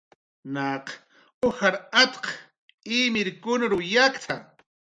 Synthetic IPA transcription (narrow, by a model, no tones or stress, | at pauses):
naq | oxaɾat̪q | imɪɾkʊnɾʊjakt̪ʰa